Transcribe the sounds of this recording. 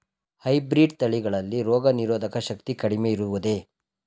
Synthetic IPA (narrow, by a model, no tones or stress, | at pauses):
hɐjbɾiːɖt̪ɐɭiɡɐɭɐlːiɾɔːɡɐniɾoːd̪ɐkɐʃɐk̚t̪ikɐɽimeiɾuʋud̪e̞